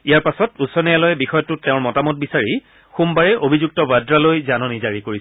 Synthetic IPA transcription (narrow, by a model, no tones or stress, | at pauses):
ijaɹpasɔtusɔnijalɔjɛbixɔjɔtʊtːeʊ̃ɹmɔtamɔt̚bisaɹi | xumbaɹɛʔobʱizuk̚tɔbadɹalojzanɔnizaɹikoɹi